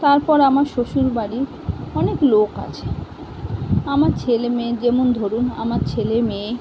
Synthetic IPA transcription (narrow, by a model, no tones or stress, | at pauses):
t̪aɾpɔɾamaɾʃoʃuɾbaɽi | ɔnekloka̰t͡ɕʰe̥ | amaɾt͡ɕʰelemed͡ʑemond̪ʱoɾuna̰maɾt͡ɕʰeleme